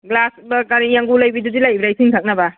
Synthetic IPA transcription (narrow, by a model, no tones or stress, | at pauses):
ɡlasbakaɾijaŋɡulɐjbidudilajbɾajsʰiŋtʰak̚nɐba